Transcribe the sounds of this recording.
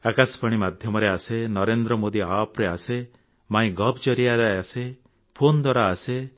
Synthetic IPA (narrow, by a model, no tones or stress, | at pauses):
akaspaɽ̃imad̪ʱjɔmɔɾeasenɔɾend̪ɾɔmod̪iapɾease | maĩɡɔbd͡ʒɔɾiad͡ʒaase | pʰond̪waɾaːse